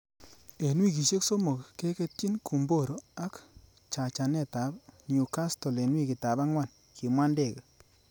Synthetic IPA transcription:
e˨nwi˦˨ki˨ʃe˦kso˦mo˨kke˦ke˦ti˦nkʰu˨mbo˦˨ɾo˨a˦k | t͡ʃa˨t͡ʃa˨nɛ˦˨ta˨˦bɲu˨ka˦stɔ˨le˨nwi˦˨ki˨ta˨ba˦ŋwa˦˨n | kʰi˨mwa˦nde˦˨ke˨

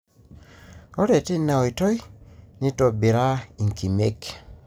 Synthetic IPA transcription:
o˦ɾe˨ti˦na˨o˨i˨tɔ˦jni˦to˨bi˨ɾa˦i˨ŋki˨me˦k

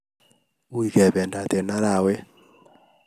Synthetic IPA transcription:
u˨i˨kɛ˨βɛ˨nda˨t̪e˨na˦ɾa˨we˦

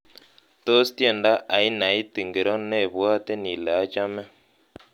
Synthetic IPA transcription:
to˦stjɛ˨nda˦ʔa˨i˦na˨i˦ti˨ŋɡe˨ɾɔ˦ne˦˨βwa˦te˦ni˨lɛ˨a˦t͡ʃa˦mɛ˦

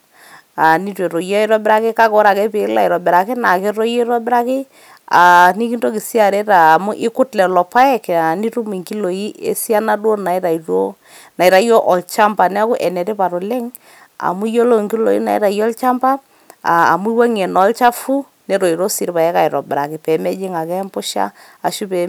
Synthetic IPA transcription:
a˨ni˦twe˨ɾo˨jɔ˦ɪ˨ɾɔ˦bɪ˦ɾa˦kɪ˦ka˦ko˦ɾa˨kɛ˦pɪ˨˦la̰˦ɪ˨ɾɔ˨bɪ˨ɾa˨kɪ˦na˨ke˦ɾɔ˦je˦ɾɔ˦bɪ˦ɾa˦kɪ˦ | a̰˨ni˦ki˦nto˦ki˨si˦a˨ɾe˦ɾaː˨mu˦ʔɪ˦kʊ˦tlɛ˨lɔ˨pa˦ɛ˦ka˨ni˦ɾu˦mi˨ŋki˦lo˨i˦ʔḛ˦si˦a˦na˦dwo˦na˨˦ɾa˨ɾo˦ | na˨i˨ɾa˨˦jo˦ʔɔ˨lt͡ʃa˦mpa˨nɛ˦a˦kʊ˦ʔɛ˨nɛ˨te˦pa˨ɾo˨lɛ˦ŋ | a̰˨mu˦jo˦lo˦˨ŋki˦lo̰˨ḭ˦na̰˨ḭ˦ɾa˨jɔ˦lt͡ʃa˦mba˦ | a̰ː˨mu˦i˦wa˦ŋɛ˨nɔ˨˦lt͡ʃa˦fu˦ | nɛ˦ɾɔ˨i˨ɾo˦si˦ɾpa˨jɛ˦ka˨ɪ˨ɾɔ˨bɪ˨ɾa˨kɪ˨pɛ˨˦mɛ˦d͡ʒɪ˦ŋa˨kɛ˦mpʊ˦ʃa̰˦ | a˨ʃu˦pɛ˨

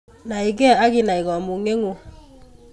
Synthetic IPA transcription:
na˨i˨ɡɛ˦˨a˦ɣi˦na˨i˨ɣɔ˨mu˨ŋe˦ŋo˨

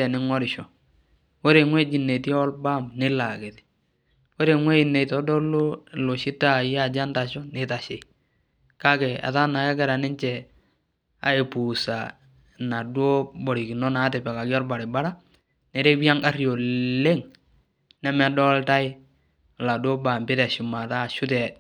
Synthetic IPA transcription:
ɛ˨nɪ˦ŋɔ˦ɾɪ˨ʃɔ˨ | wo˦ɾe˨ŋwe˦d͡ʒi˨ne˨ti˦ɔ˦lba˦mnɪ˦la˨ke˨tɪ̥˨ | wo˦ɾe˨ŋwe˦i˨ne˨tɔ˨˦dɔ˦lo˦lo˨ʃɪ˦ta˦˨ja˦˨d͡ʒa˦nta˨ʃɔ˦nɪ˨ta˨ʃe˨ | ka˦kɛ˨a̰˨ta˦na˨ka˦kɛ˦˨ɾa˨nɪ˦nt͡ʃɛ˨ | a̰˨e˨pu˨sa˨ | na˨dwo˦bɔ˨ɾi˨ki˨nɔ˦na˨˦tɛ˨pɛ˨ka˨kɪ˦ɔ˦lba˨ɾɪ˨ba˦ɾa˦ | ne˨ɾe˦bi˦a˦ŋa˦rjo˨le˦ŋ | nɛ˦mɛ˨dɔ˦lta˦ɪ˦˨ | la˨do˦ba˨mbɪ˦tɛ˨ʃʊ˨ma˨ta˦˨ʃʊ˦tɛ˨

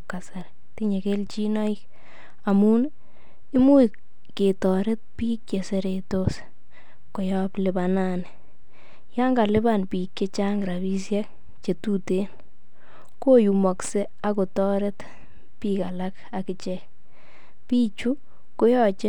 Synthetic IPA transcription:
ka˨sa˨ɾ | ti˦ɲe˨ke˦lt͡ʃi˦nɔ˦i˦k | a˨mu˦n | i˦mu˦ | ke˨tɔ˨ɾɛ˦t̚pi˦kje˨se˦ɾetos | ko˨jɔ˦plɪ˨bananɛ | ja˦ŋɡa˨lɪ˦banpi˨kʲje˦t͡ʃa˦ŋɡɾa˨bi˦s̬jɛ˦k̚ | t͡ʃe˨tuten | ko˦ju˨mɔ˨kse˦ | a˦ko˨tɔ˦ɾɛ˦t | pika˨la˦k | a˨kɪt͡ʃɛk | piː˦t͡ʃu˦ | ko˦jɔ˦t͡ʃe˦

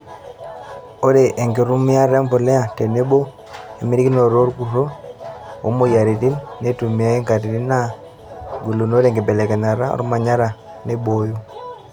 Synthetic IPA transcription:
o˦ɾe˨ʔe˨ŋɡe˨ɾu˦mi˦a˦ɾe˦mpo˨le˦a˨te˨ne˦bo˦ | e˨mi˦ɾi˦ki˦no˨ɾo˦ɾɡu˨ɾo˦ | o̰˦mo˦˨ja˨ɾi˨ti˦nne˦tu˨mi˨a˨˦e˦ŋka˨ti˨ɾi˦na˦ | ɡu˨lo˨no˦ɾe˨ŋɡe˨be˨le˨ke˨na˨ɾa˦o̰˨ɾu˦ma˨ɲa˦ɾa˨ | ne˦ɓo˨ju˦

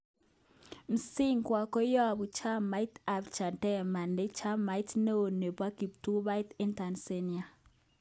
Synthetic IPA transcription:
m̩˨si˦ŋkwa˨kɔ˦jɔ˦a˨bu˨t͡ʃa˦ma˦i˦ta˨bt͡ʃa˨ntɛ˦ma˨ne˦t͡ʃa˦ma˨jtne˦o˨ne˨pwa˦ki˨p̚tu˦βa˦jtɛ˦nta˨nse˦ni˨a˨

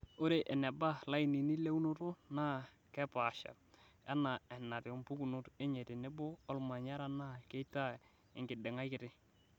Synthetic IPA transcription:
o˦ɾe˨ʔɛ˨nɛ˨ba˦la˦i˨ni˨ni˦le˦u˦no˦to˦naː˦ | kɛ˦pa˨ʃa̰˨ | ɛ˦na˨ɛ˨na˨tɪ˨o˨mpu˦ku˨nʊ˦te˦ɲe˨te˨ne˦bo˦ɔ˦lma˨ɲa˦ɾa˦na˦ke˦i˦ta˦ | ɪ˨ŋɡɪ˨dɪ˨ŋa˦jkɪ˨˦tɪ˦

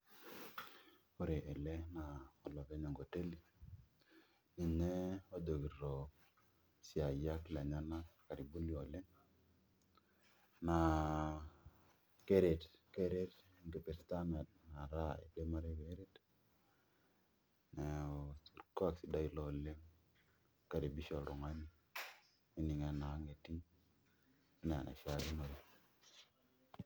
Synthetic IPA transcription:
o˦ɾe˨ʔe˨le˦na˨ɔ˨lɔ˨kɛ˦ɲɔ˨ŋɡo˨te˦li˦ | ni˨nɛ˦o˦do˨ki˨ɾɔ˨ | sɪ˨a˨ja˦kla˨ɲa˦na˦ka˨ɾi˨bu˦li˦o˨le˦n | na˨ | ke˦ɾe˨tke˦ɾe˦t | ŋɡi˨pe˨ɾsta˦me˨t̚na˨ɾa˦ḛ˨de˦ma˦ɾe˦ke˨˦ɾe˦t | ne˨si˨ka˦˨ksi˨da˦i˨lɔ˦le˦ŋ | ka˨ɾi˨bi˦ʃo˨ɾu˨ŋa˦ni˦ | i˦ni˨ŋe˨na˨˦ŋe˨ti˦ŋ | i˦n̰˨nʔa̰˨ʃa˨ɡi˦na˨ɾi˨

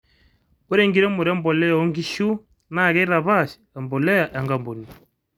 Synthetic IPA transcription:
u˦ɾe˨ŋɡi˨ɾɛ˦mu˨ɾa˦mbɔ˨lɛ˦jɔ˦ŋɡi˦ʃu˦ | na˦˨ɣɛ˦ɾa˨βa˦˨ʃi̥˨a˨mbɔ˨lɛ˦ja˨ʔa˨ŋɡa˨mbu˨ni˨

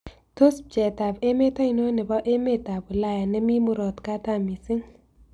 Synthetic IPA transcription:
to˦sp̚d͡ʒɛ˨ta˨be˦me˦tɔ˦i˨no˦nɛ˨bɔ˦ʔe˦me˦˨ta˨bu˨la˦˨ja˨nɛ˦mi˦mʊ˦ɾɔ˨t̪ka˦ta˦˨mi˨sɪ˦ŋ

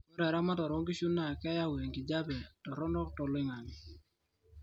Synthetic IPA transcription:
mɔ˦ɾɛ˨ɾa˦ma˦tɔ˨ɾɔ˦ŋɡi˦ʃu˦nːa˨kɛ˦ja˦we˨ŋɡi˨d͡ʒa˦bɛ˨tɔ˨ɾɔ˦ndɔ˦k̚tɔ˨lɪ˦ŋa˨n˨

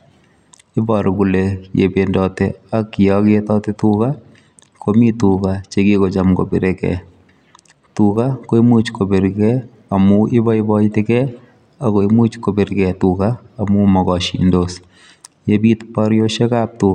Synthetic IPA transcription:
ɪ˦bɔ˨ɾku˨lejḛ˨be˨ndɔ˨tɛakːɪ˨ɔketɔ˦te˦tuka | kʰo˦mi˦tukat͡ʃeɡi˦ko˨t͡ʃamko̰˨be˨ɾekɛ̰˨ | tuka˦ko˦i˦mu˦t͡ʃko˨be˨ɾkɛ˦ | a˨muʔɪ˦bɔ˦ɪbɔitɪ˦kɛ˦ | ako˨imu˦t͡ʃko˨be˨ɾkɛtukaː˨ | mu˦mɔ˨ɣɔ˨ʃḭ˨ndos | je˦bi˦tpɔɾjo˦ʃe˦ka˦p̚tu

